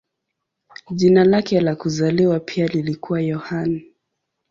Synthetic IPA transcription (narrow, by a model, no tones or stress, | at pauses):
ʄinalakɛlakuzaliwapʰialilikuwajɔhan